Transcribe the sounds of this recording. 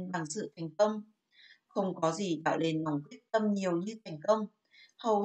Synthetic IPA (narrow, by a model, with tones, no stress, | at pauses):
nɓa˨˩ŋsɨ̰˧˨t̪ʰa˨˩jŋ̟kə˧wŋ͡m | xə˧wŋ͡mkɔ˨˦zi˨˩ɗa̰ː˧˨wle˨˧nna˨˩wŋ͡mkwi˦˥ət̚t̪ə˧mɲi˨˩əwɲɨ˧t̪ʰa˨˩jŋ̟kə˧wŋ͡m | hə˨˩w